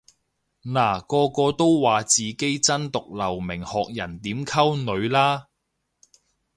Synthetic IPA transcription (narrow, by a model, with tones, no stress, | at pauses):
naː˨˩kɔː˧kɔː˧t̪o˥wːaː˨t͡siː˨ke˥jt͡sɐ˥nt̪ʊ˨k̚lɐ˨˩wmɪ˨˩ŋhɔː˨k̚jɐ˨˩nt̪iː˨˥mkʰɐ˥wnɵ˨˧ɥlaː˥